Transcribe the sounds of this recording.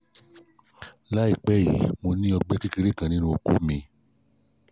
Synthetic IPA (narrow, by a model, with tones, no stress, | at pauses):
la˦i˦˨k͡pɛ˦˨jḭ˨˦mo˧nĩ˦ɔ˧ɡ͡bɛ˦ki˦ki˧ɾe˦kã˨nĩ˨˦nũ˦o˧kṵ˦mĩ˧